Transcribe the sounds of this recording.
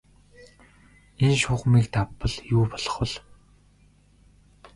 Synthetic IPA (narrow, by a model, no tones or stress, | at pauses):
enʃʊːχmiːkt̪ʰapːə̆ɮjuːpɔɮɞ̆χwə̆ɮ